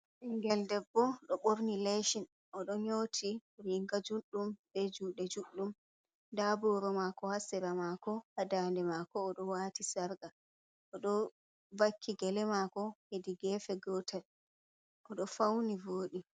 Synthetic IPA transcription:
ʔɛŋɡɛldɛbːɔɗɔɓoɾnileʃin | ʔɔɗɔɲoːtʰiɾiŋɡad͡ʒuɗːumbɛd͡ʒuɗɛd͡ʒuɗːum | dabɔɾɔmakɔhasiɾamakɔhadaːndɛmakɔːɗɔwaːtisaɾɡa | ʔɔɗɔ | vakʰːiɡɛlɛmakɔhediɡɛfɛɡɔtʰɛl | ʔɔɗɔfawnivoːɗi

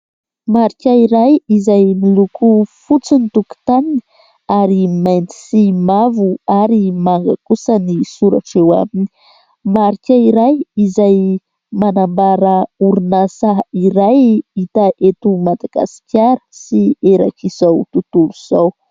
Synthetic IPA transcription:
maɾikʲaiɾajizajmilukufut͡sinit̪uku̥t̪anini̥ | aɾimajnt̪i̥simavuaɾimaŋɡa̰kusənisuɾa̰ʈ͡ʂewa̰mini | maɾikʲaiɾajizaj | manambaɾəuɾunasaiɾajit̪aʔet̪umad̪aɡ̥a̰si̥kʲaɾəsieɾa̰kiz̥awt̪ut̪uluz̥aw

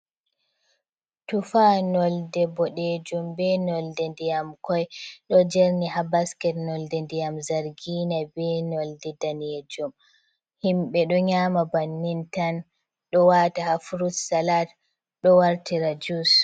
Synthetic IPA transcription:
tufanɔldɛbɔɗed͡ʒumbɛnɔldɛndijamkɔjɗɔd͡ʒɛɾnihabaskɛtnɔldɛndijamzaɾɡinabɛnɔldɛdaned͡ʒum | himɓɛɗɔɲaːmabanːintan | ɗɔwatahafuɾussalat | ɗɔwaɾtiɾad͡ʒus

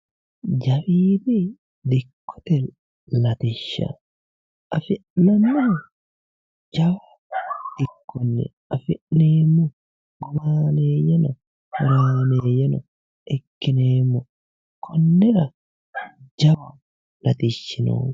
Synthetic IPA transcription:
d͡ʒɐwiːbi | d̪ɪkːɔ̥t̪ɛ | lɐt̪ɪʃːɐ̰ | ɐfɪʔnɐnːɔ | d͡ʒɐwɐ | d̪̥ɪkːɔnːɛ̰ | ɐfɪʔneːmːʊ | ɡʊmaːneːjɐnɐ | hɐɾaːneːjɐnɐ | ʔɛkːɪneːmːʊ | kʰɔnːɛɾɐ | d͡ʒɐwɐ | lɐt̪ɪʃːɪnṵː

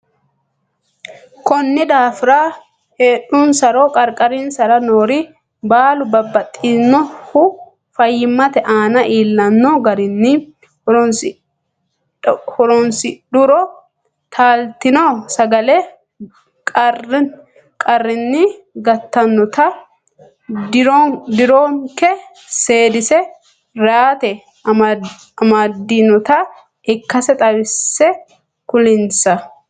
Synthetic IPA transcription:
kɔnːɪd̪aːfɪɾaː | heːɗʊnsɐɾoːkʼɐɾkʼɐɾɪnsɐɾɐnoːɾɪ | baːlʊbɐbːɐt̪ʼːɪnːɔhʊ | fɐjːɪmːɐt̪ɛʔaːnɐʔiːlːɐnːɔɡɐɾɪnːɪ | hʊɾɔnsɪdʊɾɔ | t̪ʰaːlt̪ɪnoːsɐɡɐlɛ | kʼɐrɪ | kʼɐrːɪnːɪɡɐt̪ːɐnːɔt̪ɐ | d̪ɪɾoːŋkɛ | se̞ːd̪ɪsɛ | ɾaːt̪ɛ | ɐmaːd̪inɔt̪ɐ | ɪkːɐsɛt̪ʼɐβɪsːɛ | kʊlɪnsɐ

